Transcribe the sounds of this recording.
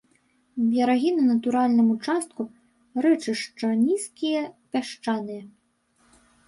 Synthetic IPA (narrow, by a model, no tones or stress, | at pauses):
bʲjɐɾaɣʲinɐnɐt̪uɾalʲnɨmut͡ʂast̪̚ku | rɛt͡ʂɨʂt͡ʂɐnʲiskʲijɐpʲaʂt͡ʂanɨjɐ